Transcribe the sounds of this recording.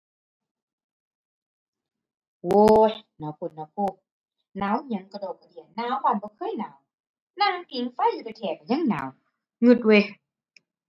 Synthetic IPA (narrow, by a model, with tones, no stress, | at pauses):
woː˧naː˨˩wpʰu˧˩t̪̚na˧˦pʰuː˧˩ | naː˨˦wɲa˧˦ŋka˧doː˨˩p̚kːa˨di˨˩ənnaː˧˦wbaː˧˨nbɔː˧˦kʰɤː˧˥˨jnaː˨˦w | naː˧˨na˧˦nt̪i˧˦ŋfa˧˥˨jlɯ˧ka˧˩t̪ʰɛː˧˩ka˨ɲa˧˥˨ŋna̰ː˨˦w | ŋu˧t̪̚we˧˦